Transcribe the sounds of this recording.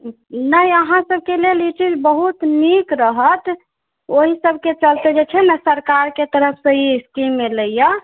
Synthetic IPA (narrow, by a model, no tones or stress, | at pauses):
nəiəɦãsəb̚ʱkelelit͡ʃid͡ʒbəɦut̪nikɾəɦət̪ | oɦisəbʱket͡ʃəlt̪ed͡ʒet͡ʃʰɛnəsəɾkaɾket̪əɾəpʰsə̃iskimːeləjjə